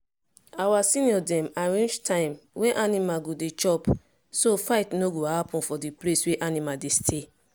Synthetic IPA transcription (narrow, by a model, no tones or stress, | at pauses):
awasĩniɔdɛ̃maɹẽnd͡ʒtʰãɪ̃mweʔanimaɡodet͡ʃɔp | sofaɪtnoɡohapũnfɔdiplesweʔanimadestʰe